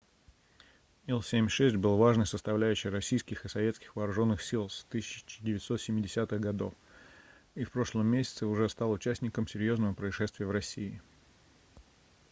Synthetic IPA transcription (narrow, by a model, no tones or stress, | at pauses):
ilˠsʲemʲʂɛsʲtʲbɨlˠvaʐnɨjsəst̪ɐvlʲæʉɕːɪjrɐsʲijskʲɪxɨsɐvʲet̪skʲɪ̥xvəːɾʊʐo̞nːɨxsʲilˠst̪ɨsʲɪt͡ɕɪt͡ɕɪ̥dʲɪvʲɪt̪so̞t̪sʲɪmʲːɪdʲɪsʲat̪ɨɣɡɐd̪o̞̰f | ifpɾo̞ʂlˠəmːʲesʲɪ̥t̪səʊʐɛst̪ɑlˠʊt͡ɕæsʲnʲɪkəmsʲɪɾʲjo̞znəvəpɾəɪʂɛst̪vʲɪjəvɾɐsʲːiɪ